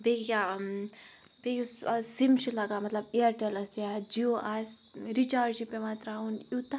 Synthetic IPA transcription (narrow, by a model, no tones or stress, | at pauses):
beɡja | beɡʲussimʃilɐɡaːmɐt̪lɐbiɐɾʈɐlɐsjad͡ʒioʔas | ɾit͡ʃaːɾd͡ʒipemaːt̪ɾaunut̪a